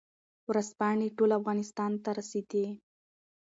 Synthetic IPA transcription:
wɾazpɑɳeʈolafɣɑnɪst̪ɑnt̪aɾased̪i

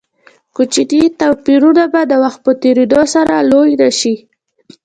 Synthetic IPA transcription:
kut͡ʃit̪it̪awpiɾunabad̪əwaxt̪̚pət̪eɾed̪osaɾalojɾaʃi

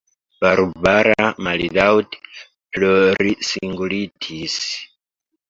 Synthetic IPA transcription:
b̥aɾubaɾamalidawt | plɔɾisiŋɡulitʰis

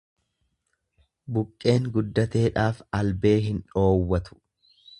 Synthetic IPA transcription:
bʊkʼːe̞ːŋɡʊd̪ːɐt̪e̞ːᶑaːfɐlbe̞ːɦɪnᶑo̞ːwːɐt̪ʊ̥

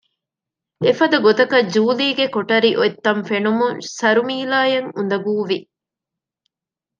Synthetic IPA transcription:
efɐd̪ɐɡot̪ɐkɐd͡ʒuːliːɡekoʈɐɾiʔoet̪ːɐɱfenumuŋsɐɾumiːlaːjɐŋund̪ɐɡuːʋi

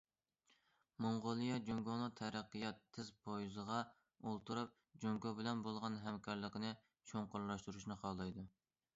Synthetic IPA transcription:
moŋʁolˠɨjɑd͡ʒoŋɡonɨt̪ʰɛɾæqːɨjɑt̪ʰːɪzpʰojzəʁɑ | olˠt̪uɾup̚ | d͡ʒoŋɡobɪlɛnbolˠʁɑnɦɛmkʰɑɾlˠəqənɨ | t͡ʃʰoŋqʊɾlˠɑʃt̪uɾuʃnɨqʰɑlˠɑjd̪u

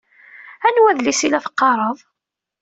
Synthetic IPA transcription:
ænwæðlisilæθə̥qːɑɾˤəðˤ

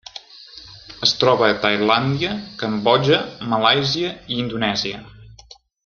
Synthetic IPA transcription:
əst̪ɾɔβəːt̪əjland̪iəkəmbɔʒəməlajziəiind̪unɛziə

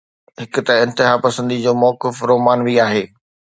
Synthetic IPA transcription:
ɦɪkʊt̪ɐɪ̃nt̪ɪɦapɐsə̃nd̪id͡ʑoːmɔːkɪfɾoːmaːnʋiaːɦeː

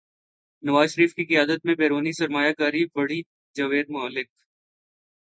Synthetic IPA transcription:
nɐʋaːzʃəɾiːfkikijaːd̪ət̪̚mẽbeːɾoːnisɐɾmaːjakaːɾibɐɽi | d͡ʒɐʋeːd̪mʊəlːɪk̚

